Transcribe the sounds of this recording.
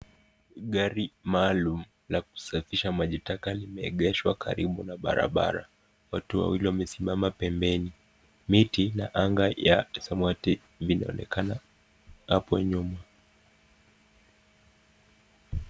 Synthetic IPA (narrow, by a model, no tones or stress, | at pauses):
ɠaɾimaːlum̩ | lak̚u̥safiʃamaʄitakalimɛɛɠɛʃwakʰaɾiɓunaɓa̰ɾa̰ɓa̰ɾa̰ | watua̰wiliwamɛsimamapɛmbɛni | mitinaʔaŋɡajasamwati | vinaɔnɛ̰kʰana | hapɔɲuma